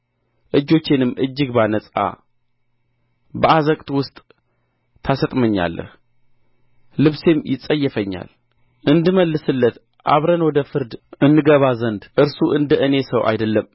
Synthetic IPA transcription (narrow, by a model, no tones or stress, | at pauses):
ʔɨd͡ʒːo̞t͡ʃːenɨmːʔɨd͡ʒːɨɡbanəsʼa̰ | bəazəkʼt̪ʼwʊst̪ʼ | t̪ʰasət̪ʼməɲːa̰lːə̰h | lɨβse̞mjɪsʼəjːɛfəɲːa̰l | ʔɨnd̪ɨməlːɨsɨlːət̪ | ʔa̰βɾənwɔd̪əfɨɾd̪ʔɨnːɨɡəβazənd̪ʔɨɾsuʔɨnd̪əʔɨne̞səwʔa̰jd̪əlːəm